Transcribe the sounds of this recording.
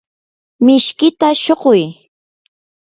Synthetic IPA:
mɪʃkɪt̪aʃoɢʊj

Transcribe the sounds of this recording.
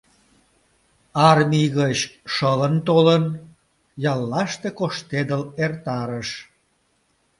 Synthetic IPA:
ɑrmiɣət͡ɕʃələnt̪olən | jɑlːɑʃt̪ekoʃt̪ed̪əlert̪ɑɾəʃ

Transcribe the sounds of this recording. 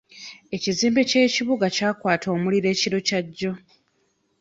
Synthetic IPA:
e̞ciziːmbe̞ce̞ːciβuɡacaːkwaːtʰo̞ːmuliɾe̞ːciɾo̞caɟːo̞

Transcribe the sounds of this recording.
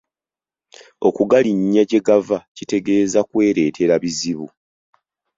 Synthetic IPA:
o̞kuɡaliɲːaɟe̞ɡavacite̞ɡe̞ːzakwe̞ːɾe̞ːtʰe̞ɾaβiziβu

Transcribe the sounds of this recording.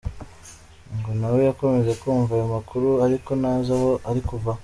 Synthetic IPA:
ŋɡonawojako̞me̞ze̞kuːɱvajomakʰuɾuaɾiko̞naːzaho̞ʔaɾikuva

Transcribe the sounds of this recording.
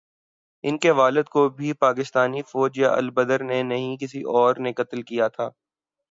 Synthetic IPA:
ɪnkeʋaːləd̪kobʱipaːkɪst̪aːnifɔːd͡ʒjaʔɐ̰lbəd̪əɾnenɐɦĩkɪsiʔɔːɾnɪkət̪lkijat̪ʰaː

